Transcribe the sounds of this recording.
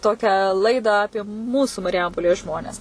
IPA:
ˈtoːkʲæː ˈlˠɐɪdɑː ˈɑːpʲiɛ ˈmuːsuː mɐrʲɪˈjɛmpoːlʲeːs ˈʒmoːnʲɛs

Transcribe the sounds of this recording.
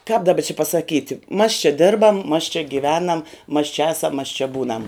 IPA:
kɑːp dɐˈbɐ t͡ʃʲɪ pɐsɐˈkʲiːtʲɪ mɐs t͡ʃʲɛ ˈdʲɪrbɐm mɐs t͡ʃʲɛ ɡʲɪˈʋʲæːnɐm mɐs t͡ʃʲɛ ˈɑːsɐm mɐs t͡ʃʲɛ ˈbuːnɐm

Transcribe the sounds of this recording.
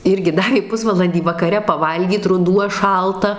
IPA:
ˈɪrʲɡʲɪ ˈdɑːʋʲeː ˈpʊsʋɐlˠɐnʲdʲiː ʋɐkɐˈrʲɛ pɐˈʋɐlʲɡʲiːt rʊˈduɔ ˈʃɐlˠtɐ

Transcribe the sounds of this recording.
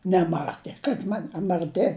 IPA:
nʲɛˈmɑːtʲeː kɐɪp ˈmɐn ɐ mɐrʲˈtʲɪ

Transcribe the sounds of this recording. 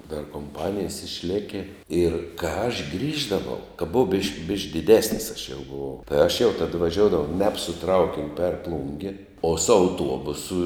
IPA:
dɐr koːmˈpɑːnʲɪjɛs ɪʃʲˈlʲæːkʲɪ ɪr kɑː ɐʃ ˈɡrʲiːʒdɐʋɐʊ kɐ bʊˈɐʊ bʲɪʃk bʲɪʃk dʲɪˈdʲæːsʲnʲɪs ɐʃ jɛʊ bʊˈʋɐʊ tɐɪ ɐʃ jɛʊ tɐt ʋɐˈʒʲoːʊdɐʋɐʊ ˈnʲɛp sʊ ˈtrɐʊkʲɪnʲʊ pʲɛr ˈplˠʊŋʲɡʲɪ oː sʊ ɐʊˈtuɔbʊsʊ

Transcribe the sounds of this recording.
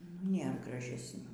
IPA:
nʊ ˈnʲeːr ɡrɐʒʲɛsʲˈnʲuː

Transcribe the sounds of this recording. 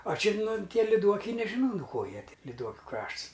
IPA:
ɐ ˈt͡ʃʲɪ ˈnʊ ˈtʲiɛ lʲɪˈduɔkʲɛɪ nʲɛʒʲɪˈnɐʊ nʊ ˈkoː ˈjiɛ lʲɪˈduɔkʲʊ ˈkrɐʃts

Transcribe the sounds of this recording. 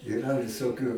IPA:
ɪˈrɐ ʋʲɪsoːˈkʲuː

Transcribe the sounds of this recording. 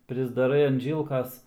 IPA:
pʲrʲɪzdɐˈrɐɪ ɐn ˈʒʲiːlˠkɐs

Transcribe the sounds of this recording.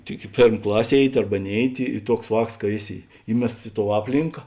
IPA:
tʲɪk ɪ ˈpʲeːrm ˈklˠɐsʲ ˈeːɪˌtʲɪ ˈɐrbɐ ˈnʲeːɪˌtʲɪ ɪ ˈtuɔks ˈʋɑːks kɐ ˈeːˌsʲɪ ˈiːmʲɛsts ɪ toːʊ ˈɑːpʲlʲɪŋkɐ

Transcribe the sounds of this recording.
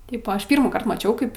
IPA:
ˈtɐɪp oː ˈɐʃ ˈpʲiːrmuːkɐrt mɐˈt͡ʃʲɛʊ ˈkɐɪp

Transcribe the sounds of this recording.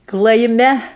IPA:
klˠɐɪˈmʲɛ

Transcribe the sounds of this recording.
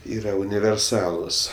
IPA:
ˈiːrɐ ʊnʲɪʋʲɛrˈsɑːlˠʊs

